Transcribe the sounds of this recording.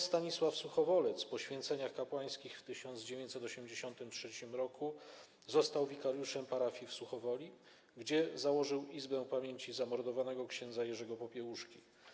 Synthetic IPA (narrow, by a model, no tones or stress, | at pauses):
st̪aɲiswafsuxɔvɔlɛt̪spɔɕfʲjɛnt̪sɛɲaxkapwaj̃skʲixft̪ɘɕɔnd̪zd͡ʑevʲjeɲt̪ʲsɛt̪ɔɕɛmd͡ʑeɕɔnt̪ɘmtʂɛt͡ɕimɾɔkʰu | zɔst̪awvʲikaɾjuʂɛmpaɾafʲjifsuxɔvɔlʲi | ɡd͡ʑɛzawɔʐɘwizbɛ̃pamʲjeɲt͡ɕizamɔɾd̪ɔvanɛɡɔkɕɛnd̪zajɛʐɛɡɔpɔpʲjɛwuʂkʲi